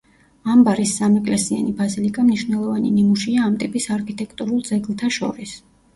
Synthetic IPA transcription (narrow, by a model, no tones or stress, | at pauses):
ambaɾisːamɛkʼlɛsia̰nibazilikʼamniʃvnɛlˠɔvaninimuʃiaːmt̪ʼipʼisaɾkʰit̪ʼɛkʰt̪ʼuɾulˠd̪zɛɡlˠt̪ʰaʃɔ̰ɾis